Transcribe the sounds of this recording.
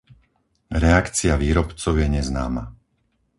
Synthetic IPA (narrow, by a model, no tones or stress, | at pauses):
ɾɛakt͡siaʋiːɾɔpt͡sɔʊjɛɲɛznaːma